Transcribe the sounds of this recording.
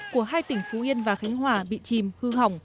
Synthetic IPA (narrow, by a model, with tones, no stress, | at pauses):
ku˧˩əɦaː˧jt̪ï˧˩ŋ̟fu˨˦ʔi˧ənvaː˨˩xa˨˦jŋ̟ɦwaː˨˩ɓḭ˧˨t͡ɕi˨˩mhɨ˧ha˨˩wŋ͡m